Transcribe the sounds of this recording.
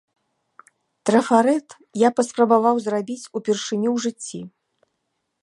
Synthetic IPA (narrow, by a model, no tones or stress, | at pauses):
t̪ɾɐfaɾɛt̪ | japɐspɾɐbavawzrabʲit͡sʲupʲɛrʂɨnʲiwʐɨt͡sʲːi